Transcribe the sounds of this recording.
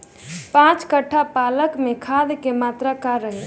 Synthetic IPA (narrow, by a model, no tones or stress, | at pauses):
pãt͡ʃkəʈʰːapaləkmekʰad̪kemaːt̪ɾakaɾəɦe